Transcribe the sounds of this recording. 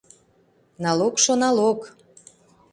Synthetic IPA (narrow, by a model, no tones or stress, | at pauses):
nɑlokʃonɑlok